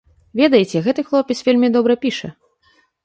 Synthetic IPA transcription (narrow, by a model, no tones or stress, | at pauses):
vʲɛd̪ɐjɛt͡sʲɛɣɛt̪ɨxlˠɔpʲisvʲelʲmʲid̪ɔbɾɐpʲiʂɐ